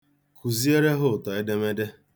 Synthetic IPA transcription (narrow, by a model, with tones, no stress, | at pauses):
kʰu˨zi˦e˦ɾe˦ɦʊ˦˨tɔ˨e˦de˦me˦de˦